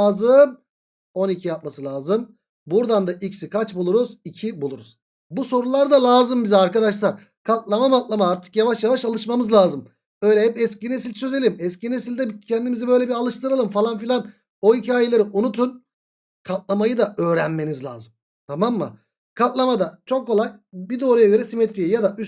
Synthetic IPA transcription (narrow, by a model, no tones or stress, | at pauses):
aːzɯm | o̞nicʰijap̚masɯlʲˠaːzɯm | buɾd̪and̪aʔicsikʰat͡ʃbulˠuɾuzicʰibulˠuɾuz̥ | buso̞ɾulˠaɾd̪alˠaːzɯmbizɛaɾkad̪aʃlˠaɾ | kʰat̪̚lˠamamat̪̚lˠamaaɾt̪ʰɯ̥kjavaʃjavaʃalˠɯʃmamɯzlʲˠaːzɯm | ø̞jlʲɛhɛpɛscines̬ilʲsø̞ze̞lʲimɛscinnesilʲd̪ɛbcʰɛnd̪imizibø̞jlʲɛbiɾalˠɯʃt̪ʰɯɾalˠɯmfalˠanfilʲan | o̞icʰaːjelʲeɾiʔunut̪ʰun | kʰat̪̚lˠamajɯd̪aø̞ːɾænme̞nizlʲa̰ːzɯmm | t̪ʰamamːa̰ | kʰat̪lˠamad̪at͡ʃʰo̞kʰːo̞lˠajbid̪o̞ːɾajaɡø̞ɾɛsimɛt̪ɾijɛjad̪aʔy